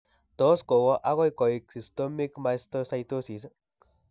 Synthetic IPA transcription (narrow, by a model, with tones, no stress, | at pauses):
t̪o˦sko˨wo˦ʔa˦ɣo˦iko˨iksi˨st̪o˦mikma˧est̪ɾosa˧jt̪o˦si˨s